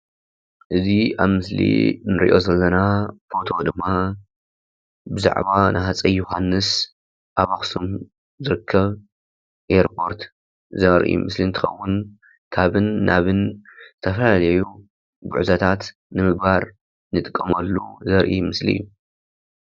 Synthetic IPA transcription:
ʔɨziaβmɨslḭnɨɾḭʔo̞zɐlːɐnafo̞t̪ʰo̞d̪ɨmːa | bɨza̰ʕβanʔhat͡sʼɐjːoɦanːɨs | ʔaβaxsum | zɨɾɨkʰːɐβ | ʔeɾpʰo̞ɾt̪ | zɐɾʔḭmɨslint̪ʰɨ̥xɐ̰wːʊn | kʰaβɨnːaβɨnzɨt̪ʰɐfɐlalɐju | ɡʊ̰ʕzɐt̪ʰat̪ | nɨmɨɡ̚baɾ | nɨt̪ʼɨkʼːɐmɐlːṵzɐɾʔimɨslḭjːu

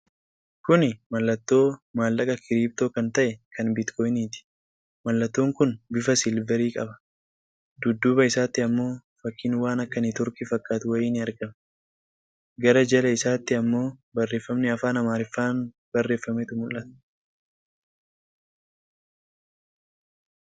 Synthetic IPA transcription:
kʊnɪmɐlːɐt̪ːo̞ːmaːlːɐkʼɐkɪɾiːb̚t̪o̞ːkɐnt̪ɐʔɛkʰɐnbɪt̪kʰɔːjniːt̪ɪ̥ | mɐlːɐt̪ːo̞ːŋkʊnbɪfɐsɪlbɛɾiːkʼɐbɐ̥ | d̪ʊd̪ːʊbɐɪsaːt̪ːɪɐmːo̞ːfɐkːiːnwaːnɐkːɐnɪt̪ʊɾkifɐkʼːaːt̪ʊwɐjiːnɪɐɾɡɐm | ɡɐɾɐd͡ʒɐlɐɪsaːt̪ːɪɐmːo̞ːbɐrːe̞ːfːɐmnɛɐfaːnɐmaːɾɪfːaːn | b̥ɐrːe̞ːfːɐmɛt̪ʊmʊlʔɐt̪ɐ̥

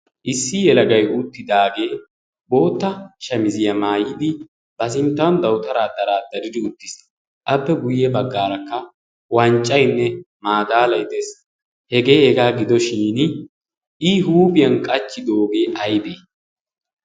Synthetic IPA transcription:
ʔɪsːɪjɛlɐɡɐjʊt̪ːɪd̪aːɡe̞ː | bo̞ːt̪ːɐʃɐmɪzɪjɐmaːjɪd̪ɪ | b̥ɐs̬ɪnt̪ːɐwnd̪ɐwt̪ʼɐɾaːd̪ɐɾaːd̪ɐɾɪd̪ɪʊt̪ːɪ̥s | ʔɐpːɛɡʊjːɛbɐɡːaːɾɐkːɐ | wɐnt͡ʃʼːɐjnːɛ | maːd̪aːlɐjt̪eːs | hɛɡe̞ːhɛɡaːɡɪd̪ɔʃiːnɪ | ʔɪɦuːbɪjɐnkʼɐt͡ʃːɪd̪o̞ːɡe̞ːʔɐjd̪eː

